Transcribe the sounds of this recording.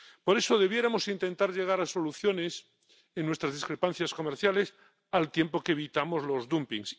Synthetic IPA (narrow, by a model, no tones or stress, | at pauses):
po̞ɾe̞so̞ðe̞β̞je̞ɾamo̞sint̪ẽ̞nt̪aɾʎe̞ɣ̞aɾaso̞luθjo̞ne̞s | enːwet̪ɾazðiskɾe̞pan̟θjasko̞meɾθjale̞s | alt̪je̞mpo̞keːβ̞it̪amo̞zlo̞zðumpiŋs